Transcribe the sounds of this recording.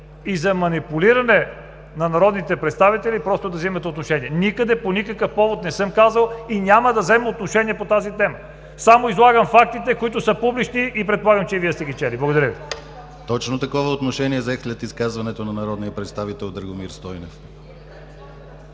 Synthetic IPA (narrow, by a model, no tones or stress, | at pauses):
izɐmɐnipuliɾɐnɛ | nɐnɐɾɔd̪nit̪ɛpɾɛt̪st̪avit̪ɛlipɾɔst̪od̪ɐvzimɐt̪ɛot̪noʃɛniɛnikəd̪ɛponikəkəfpɔvot̪nɛsɤmkazəlˠinʲaməd̪ɐvzɛmɛot̪noʃɛniɛpot̪azit̪ɛmə | samoizlˠaɡəmfak̚t̪it̪ɛkoit̪ʊsəpublit͡ʃniʔipɾɛt̪̚polˠaɡəmt͡ʃɛviəst̪ɛɡʲit͡ʃɛliblˠɐɡod̪ɐɾəvi | t̪ɔt͡ʃnot̪ɐkɔvɐot̪noʃɛniɛzɛslʲɛt̪iskazvɐnɛt̪onɐnɐɾɔd̪nijəpɾɛt̪st̪avit̪ɛlˠd̪əɾɡomiɾst̪ɔjnɛf